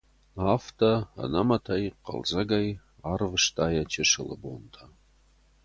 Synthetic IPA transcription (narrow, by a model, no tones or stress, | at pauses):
aftʰɐɐ̰nɐmɐtʰɐjqɐ̰lzɐɡaj | arvɨʂt̪ʰaːjɐt͡ʃʰɪʂɨlɨ̰bo̰ntʰa